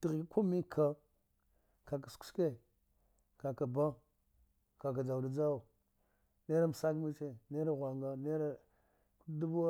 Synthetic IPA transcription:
ti˨ɣi˨˦ku˦mi˦kʰa˦˨ | ka˨k̬a˨sku̥˦ske˦˨ | ka˨ka˨ba˦ | ka˨k̬a˨d͡ʒa˨u˨da˨d͡ʒa˦wu˨ | ne˦ɾa˦m˨sa˦kmi˦t͡ʃe˦˨ne˦ɾa˦ɣʷa˨ŋɡa˨ne˦ɾa˦ | ku˦du˦b

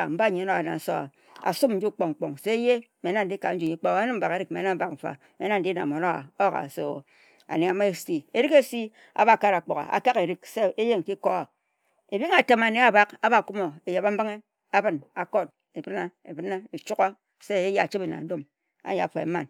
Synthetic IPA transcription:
m̩˦ba˦˨ɲe˨˦no˦a˨na̰˨n̩˦so̰˦a̰˨ | a̰˨su˦n̩˦d͡ʒu˦k͡po˨ŋ̩˨k͡po˨ŋse˦je˦me˨˦na˦n̩˦di˦ka˨˦n̩˦d͡ʒu˨ɲi˦k͡po˦˨˦nɨ˦m̩˦ba˨ke˨˦ɾi˦k̚me˨˦na˦ba˨km̩˨fa̰˨ | me˨˦na˦n̩˨di˦na̰˨m˨o˨no˦˨a˦o˦˨ka̰˨so̰˨ | a̰˨ne˨a˨me˦sti˨e˨ɾi˦ke˦si˦ | a̰˨ba˦˨ka˦ɾa˨k͡po˨ɣa̰˨a̰˨ka˦ke˨ɾi˦kse˦e˦je˦ŋ˨ki˦ko˦a˨ | e˨bi˦ŋa˨te˨ma˨ne˨a˨ba˦ka˦ba˦˨ku˦mo˨e˨je˨ba˦m̩˦bɨ˦ŋe˦ | a˦bɨ˦˨na˨ko˦t̚ | e˨bɨ˦na˦e˨bɨ˦na˦e˨t͡ʃu˦ka˦ | se˦˨e˦ja˦˨a˨t͡ʃi˦be˨na̰˨n̩˦do˦m | a̰˦ja˨a˨fo˨ḛ˨˦ma˦˨n

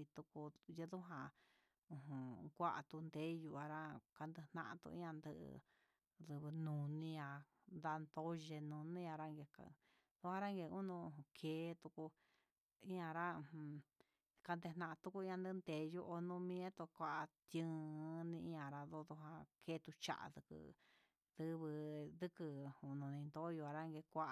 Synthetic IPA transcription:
i˧t̪u˧ku˧jɨ˧ðu˦ɦã˧ | ũ˧ɦũ˨kʷa˦ʔa̰˨t̪u˧nd̪e˦ju˧a˧ɾa˦ka˧nd̪e˧nã̰˧ʔã̰˧t̪ṵ˧ḭ̃˦ã˧nd̪ɨ˧ʔ | ðɨ˧βɨ˧nũ˨nĩ˦jã˧ | nd̪a˧nd̪o˦ʒe˧nũ˨nĩ˦ã˧ɾa˦ŋɡe˧ka̰˧ | ðu˧hã˧ɾa˦ŋɡe˧u˦nũ˧ũ˧˨ũ˧kʰeː˨˦t̪u˧ku˧ | ĩ˦ã˧˨ɾã˦˧˨ | ka˧nd̪e˧nã˧ʔã˧t̪u˧ku˧˦ĩ˦ã˧nd̪ɨ˦˧nd̪e˨˧jo˧ʔo˧nũ˦˧mĩ˦ẽ˦t̪o˧kʷa˧ʔa˧t̪jɨ̃˦˧˦nĩ˧ʔĩ˦ã˨ɾa˧ðo˧ðu˧ɦã˧kʰe˦t̪u˧t͡ʃa̰˦˨ʔa̰˧ðɨ˧kɨ̰˧ | ð̥ɨ˧βɨ˧d̪ɨ˦kɨ˧u˧˨nũ˧nĩ˧nd̪o˦jo˧a˧ɾa˦˧ŋɡe˧kʷa˦ʔ

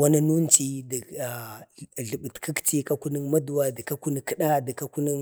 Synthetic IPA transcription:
wa˦na˦nu˦n˦t͡ʃi˦di˨a˨ɮə˨ɓə˨tkʰə˦kti˦ka˦ku˦nə˦ŋma˦du˨wa˦də˨ka˦ku˦ni˨kə˦ɗa˦də˨ka˦ku˦ni˦ŋ

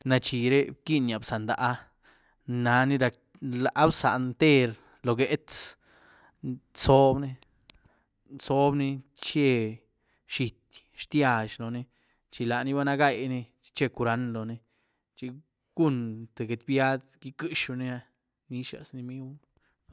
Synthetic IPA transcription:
na˧t͡ʃi˨ɾe˦ki˦nja˨bsa˨nd̪a˨ʔa˦ | na˧˦ni˧ɾa˧k | la˨ʔa˦bsa̰˨nt̪e˦ɾ | lo˧ɡe˦ʔt̪s | so˦bni˧ | so˦bni˧ | t͡ʃe˧ | ʃi˧t̪ | ʃt̪ja˧ʃlo˨ni˧ | t͡ʃi˧la˨ni˧ba˦na˧ɡa˧˨jni˧t͡ʃi̥˧t͡ʃe˧ku˧ɾa˧˦nlo˨ni˧ | t͡ʃi˧ | ɡ̥u˦nt̪e˨ɡe˧t̪bja˦d̪ɡi˧˦kɨ˦˧ʃu˧ni˧a˧ | ni˧ʃa̰˨sni˧mi˦w

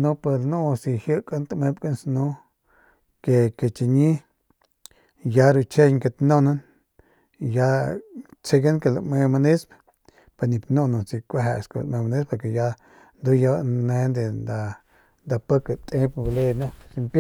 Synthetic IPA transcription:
nu˦pe˧ɾnu˦si˧hjə˦ka˦nt̪me˧pka˦nsnu˦ | ke˧ke˨t͡ʃi˧ɲi˦ | ja˧ɾu˧t͡ʃe˦˧jke˧t̪no˦na˦n | ja˧˦ | t͡se˧ɡa˦nke˧la˧me˧ma˧ni˦sp | pa˧ni˧pnu˧nu˧si˧kʷe˧ɦḛ˧ska̰˧l̰ʔme˧ma˧ni˦spa˧ɾke˧˨ja˧˦ | nd̪u˦ja˧ne˧nd̪e˨nd̪a˧ | nd̪a˧pə˦ke˧˨t̪ʼe˦pble˧na˧si˧mpa˦

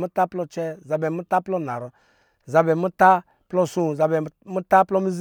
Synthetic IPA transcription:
mu˦ta˦plɔ˧t͡ʃɛ˦˨za˧bɛ˨mu˦ta˦plɔ˦˨na̰˨ɾɔ˦˨ | za˧bɛ˨mu˦ta˦ | plɔ˦sũ˦˨za˧bɛ˨˦mu˦ta˦plɔ˦mi˦z

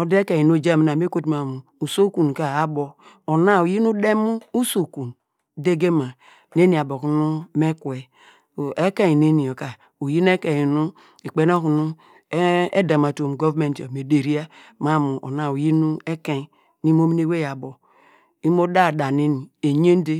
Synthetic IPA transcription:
o˨de˦ke˨i˨nu˦˨d͡ʒe˦˨mi˨˦a˨me˦ko˦tma˨mu˨u˨so˦ku˨n˨ka˨a˨bo˨ | o˨na˦˨u˨ji˦nu˦de˦mu˦u˦so˨ku˨n | de˦ɡe˦ma˨ | ne˦ni˨a˨bo˨ku˨˦nu˦me˦kwe˨ | e˦kẽ˦˨ne˦ni˨o˨ka˨ | u˨ji˦n˦e˦kẽ˨i˨nu˦ | e˨k͡pe˨˦no˦ku˨nu˦ | e˦da˨ma˨to˨m˨ɡo˦vme˨nto˨me˨de˨ɾi˦a˦ma˦mu˨ʔo̰˨na˨u˨ji˦nu˦e˦ke˦˨ | ni˦m˦o˦mi˦ne˦we˦ja˨bo˨ | i˦mo˦da˦˨da˨ne˦ni˨e˨ɲe˦n˦de˦

